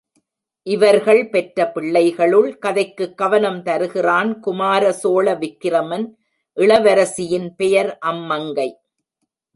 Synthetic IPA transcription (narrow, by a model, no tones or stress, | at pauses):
ʔɪʋɐɾɣɐɭpɛʈɾɐpɪɭːɐɪɣɐɭɯɭkɐðɐɪkːɯkːɐʋɐnɐmt̪ɐɾɯɣɪraːnkʊmaːɾɐsoːɭɐʋɪkːɪɾɐmɐn | ʔɪɭɐʋɐɾɐsɪjɪnpɛjɐɾʔɐmːɐŋɡɐɪ